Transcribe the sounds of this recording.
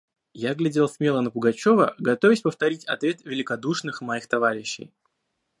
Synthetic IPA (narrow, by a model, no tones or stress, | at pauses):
jaɡlʲɪdʲelˠsʲmʲelˠənəpʊɡɐt͡ɕo̞vəɡɐt̪o̞vʲɪsʲpəft̪ɐɾʲitʲɐ̰t̪vʲe̞t̪vʲɪlʲɪkɐd̪uʂnɨxmɐjixt̪ɐvaɾʲɪɕːɪ̰j